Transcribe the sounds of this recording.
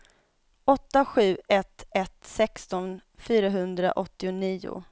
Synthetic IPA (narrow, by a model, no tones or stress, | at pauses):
ɔt̪ːaɧʉ̟ːɛt̪ʰːɛt̪sɛkst̪ɔnfyːɾaɦɵnd̪ɾa̰ʔɔt̪ːɪʊniːʊ̰